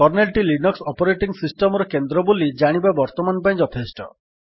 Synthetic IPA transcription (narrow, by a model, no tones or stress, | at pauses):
ɔɾnelʈilinɔksɔpɔɾeʈiŋsisʈɔmɔɾɔkend̪ɾɔbolid͡ʒaɽ̃ibabɔɾt̪ɔmanpaĩd͡ʒɔt̪ʰesʈɔ̰